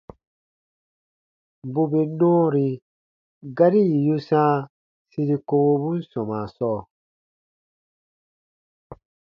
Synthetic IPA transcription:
bu˦be˨nɔ̃ː˦ɾi˨ | ɡa˦ɾi˦˨ju˦sã˦ | si˧ɾi˨ko˧wo˧bũ˦n̩˦sɔ̃˨maː˨sɔː˦˨

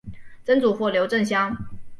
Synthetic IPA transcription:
t͡sə˥nt͡su˨˩xwɔ˥˩ljo˧˥ʊʈ͡ʂə˥˩ŋɕjɑ˥ŋ

